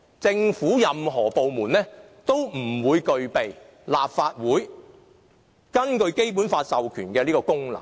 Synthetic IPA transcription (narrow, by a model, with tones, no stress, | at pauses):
t͡sɪ˧ŋfuː˨˥jɐ˨mɦɔː˨˩po˨wmuː˨˩nlɛː˥ | t̪o˥wm̩˨˩wuː˨˧jkɵ˧ɥpe˨j | laː˨p̚faː˧t̚wuː˨˥j | kɐ˥nkɵ˧ɥke˥jp̬uː˨˥nfaː˧t̚sɐ˨wkʰyː˨˩nkɛː˧liː˥kɔː˧kʊ˥ŋlɐ̰˨˩ŋ